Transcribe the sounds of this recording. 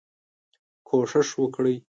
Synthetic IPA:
kʰoʂɪʂwəkɽəj

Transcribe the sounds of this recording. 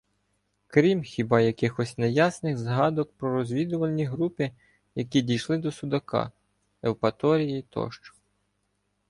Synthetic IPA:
kɾʲimxʲibɑjɐkɪxɔsʲnɛjasnɪɣzɦɑd̪ɔk̚pɾɔɾɔzʲʋʲid̪ʊʋɐlʲnʲiɦɾupɪ | jɐkʲidʲijʃlˠɪd̪ɔsʊd̪ɐkɑ̰ | ɛwpɐt̪ɔɾʲijit̪ɔ̰ʃt͡ʃɔ̥

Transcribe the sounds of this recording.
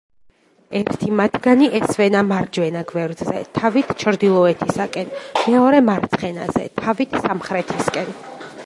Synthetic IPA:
ɛɾt̪ʰimat̪ʰɡaniʔɛsvɛnamaɾd͡ʒwɛnaɡvɛɾd̪zɛ̰t̪ʰavit̪ʰt͡ʃʰɾd̪ilˠɔɛt̪ʰisakʼɛnmɛɔɾɛmaɾt̪sʰχɛna̰zɛ̰t̪ʰavit̪ʰsamχɾɛt̪ʰiskʼɛn

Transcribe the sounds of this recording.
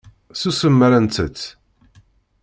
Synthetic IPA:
susəmːəɾænt̪ət͡sː

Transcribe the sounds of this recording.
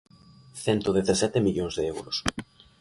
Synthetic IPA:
θɛnt̪oðeθasɛt̪emiʎoŋzðeɛwɾʊs

